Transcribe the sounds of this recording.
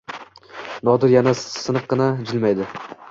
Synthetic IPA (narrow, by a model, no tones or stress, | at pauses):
nɒd̪ɪɾjanasɨnɨqːɨnad͡ʒɪlmajd̪ɪ